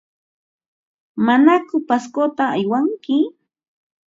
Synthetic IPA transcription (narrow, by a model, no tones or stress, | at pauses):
manakʊpaskot̪aːjwaŋkɪ